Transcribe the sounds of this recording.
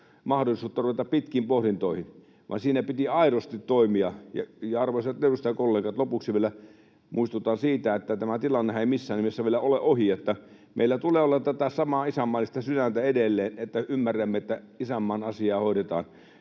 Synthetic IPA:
mɑhdolˑisuːt̪ːɑruʋet̪ɑppit̪kiːmpohɾint̪oˑihin | ʋɑ̰nsiːnæpit̪iɑˑiɾost̪it̪toˑimiɑjɑ̰jɑɑrʋoset̪nedust̪ɑjɑkolːeːkɑt̪lopuksiʋielæ | mʔuist̪ut̪ˑɑːnsiːt̪æet̪ːæt̪æmæt̪ilɑnːehɑ̃eimisːæːnːimesːæʋielæoleʔohiet̪ːæ | mḛilːæt̪uleːolːɑtt̪ːæt̪æsɑmɑːisæmːɑlːist̪ɑsyɾænt̪æedelːeːnet̪ːæʔymːærːæmːeet̪ːæ | isæmːɑːnɑsiɑːhoˑiɾet̪ɑ̰ːn

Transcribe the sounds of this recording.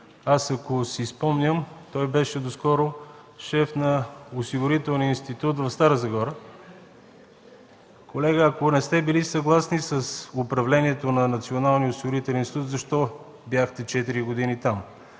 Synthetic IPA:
asɐkosispɔmnʲəmt̪ɔjbɛʃɛd̪oskɔɾo | ʃɛfnɐosiɡʊɾit̪ɛlˠnijəinst̪it̪ut̪vɐfst̪aɾəzɐɡɔɾə | kʰolɛɡəɐkonɛst̪ɛbilisɐɡlˠasnisəsopɾɐvlɛniɛt̪onɐnɐt̪sionalˠnijəosiɡoɾit̪ɛlʲɛninsʲit̪ut̪zɐʃt̪ɔ | bjaxt̪ɛt͡ʃɛt̪iɾiɡod̪init̪am

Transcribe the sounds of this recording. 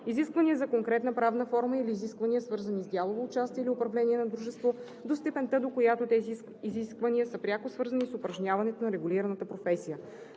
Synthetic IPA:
iziskvəniəzɐkoŋkɾɛt̪nəpɾavnəfɔɾməiliːziskvɐniəsvɤɾzənizd̪ʲjalˠovoːt͡ʃast̪iɛiliʊpɾɐvlɛniɛnɐd̪ɾuʒɛst̪vo | d̪ost̪ɛpɛnt̪əd̪okojat̪ot̪ɛziː | ziskvɐniəsəpɾʲjakosvɤɾzənisʊpɾɐʒnʲavɐnɛt̪onɐɾɛɡuliɾɐnət̪əpɾofɛsijə

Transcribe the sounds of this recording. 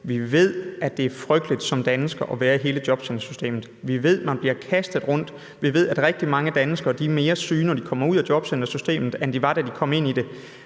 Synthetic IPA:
ʋiʋe̝ð̰ˠæd̥e̝æɐfʁœɡ̥̚d̥lid̥sɒ̽md̥ænsɡ̥ɐʔɒ̽ʋæːɐiɦe̝ːləd̥jɒ̽b̥send̥ɐsy̥sd̥e̝̰ːmð̩ˠʋiʋe̝ð̞̰ˠmænb̥liɐkʰæsd̥ð̞̩ˠʁɔ̽n̰d̥ | ʋiʋe̝ð̞̰ˠæd̥ʁɛɡ̥̚d̥imɑ̈ŋəd̥ænəsɡ̥ɐːd̥ime̝ːɐsyːnɒd̥ikʰɒ̽mɐuð̰ˠæd̥jɒ̽b̥send̥ɐsysd̥e̝̰ːmð̩ˠend̥iʋɑ̈d̥æd̥ikʰɒ̽m̰e̝n̰id̥e̝

